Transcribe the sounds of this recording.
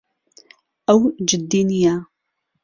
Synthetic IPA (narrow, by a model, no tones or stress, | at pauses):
ɐwd͡ʒɪd̪ːiːnjaː